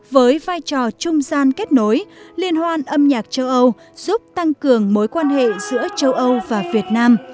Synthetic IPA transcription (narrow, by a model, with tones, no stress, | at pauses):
vəː˨˦jvaː˧jt͡ɕɔ˨˩t͡ɕʊ˧ŋ͡mzaː˧nke˦˥t̚no˨˦jli˧ənhwaː˧nʔə˧mɲaː˨˩k̚t͡ɕə˧wʔə˧w | z̥u˦˥p̚t̪a˧ŋkɨ˨˩əŋmo˨˦jkwaː˧nɦḛ˧˨z̥ɨ̰˧˥ət͡ɕə˧wʔə˧wvaː˨˩vi˨˩ət̚naː˧m